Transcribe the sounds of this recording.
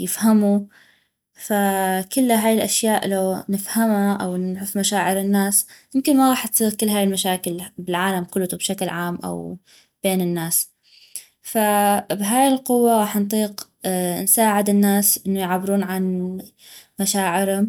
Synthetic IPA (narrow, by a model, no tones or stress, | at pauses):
jɪfhamu | fakʊlːɦaːjɪlʔaʃjaːʔlawnɪfhamaʔa̰wnʕʊfmaʃaːʕɪɾɪnːaːsmɪmkɪnmaɣɑːħt̪siːɣkɪlːɦaːjɪlmaʃaːkɪlbɪlʕaːlamkʊlːt̪ubʃaklʕaːmʔa̰w | b̥eːnɪnːaːs | fabɦaːjɪlqʊwːaɣɑːħnt̪ˤiːq | nsaːʕɪd̪ɪnːaːsʔɪnːʊjʕabːɪɾuːnʕan | maʃaːʕɪɾhʊm